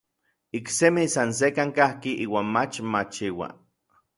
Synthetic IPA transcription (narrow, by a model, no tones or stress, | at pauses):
iksemisans̬ekaŋkahkiʔiːwaːnmat͡ʃmat͡ʃiwa̰